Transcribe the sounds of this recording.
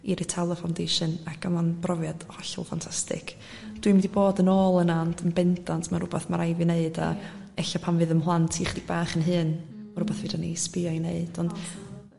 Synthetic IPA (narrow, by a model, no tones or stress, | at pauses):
iɾitʰɛlˠəfawndejʃɨnakʰamanbrɔvjad̥hɔɬɔ̰lˠfa̰ntʰastɪ̰kʰ | d̥wimɛdiboːdənoːlˠənandʰənbɛndantʰmaɾʊbɛθmaɾajvineɨda̰ | ɛɬapʰanvɨðəmɦlˠantʰiχd̥ɪɡ̚baːχənɦɨːn | maɾʊbɛθvɨdanḭspɪɔineɨd̥ɔnd